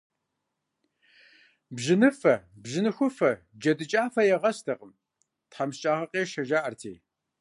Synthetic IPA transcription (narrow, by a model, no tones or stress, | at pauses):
bʒɪnɨfɐbʑɪnɨxʷʊfɐ | d͡ʒɐdɨt͡ʃʼaːfɐjɛʁɐstʰɐqʼəm | tħaːmst͡ʃʼaːʁɐqʼeːʃɐʒaːʔɐrtʰeː